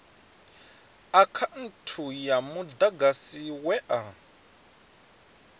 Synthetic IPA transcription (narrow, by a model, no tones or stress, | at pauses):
akʰan̩tʰujamud̪aɡasiwɛʔa